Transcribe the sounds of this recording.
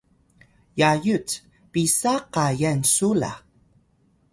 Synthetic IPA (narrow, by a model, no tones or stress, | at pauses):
jajut͡s | pisaqajansula̰